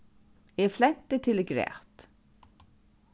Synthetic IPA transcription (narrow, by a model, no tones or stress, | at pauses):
eflɛt̪ːət̪ʰɪlɡɾɛ̰ːt̪